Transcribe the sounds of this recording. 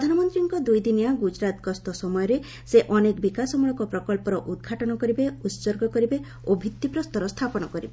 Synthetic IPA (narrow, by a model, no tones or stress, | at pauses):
pɾɔd̪ʱanɔmɔnt̪ɾiŋkɔd̪ujd̪inijaɡud͡ʒɾat̪ɡɔst̪ɔsɔmɔjɔɾe | seʔɔnekbikasɔmuɭɔkɔpɾɔkɔlpɔɾɔʔud̪̚ɡʱaʈɔnɔkɔɾibeut̪soɾɡɔkɔɾibe | obʱit̪ːipɾɔst̪ɔɾɔst̪ʰapɔñɔkɔɾibe